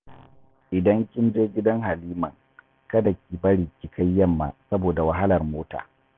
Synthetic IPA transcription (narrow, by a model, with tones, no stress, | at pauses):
ʔɪ˨dɐ˦ŋkʲɪ˦nd͡ʒeː˦ɡʲɪ˦dɐ˦ŋɦa˨liː˦mɐ˨ŋ | kɐ˦dɐ˨kʲiː˨bɐ˦ɽi˨kʲi˨kʰa˦jːɐ˦˨mːa̰˨sɐ˦boː˨da˨wɐ˨ɦa˦lɐ˨rmoː˦ta̰ː˨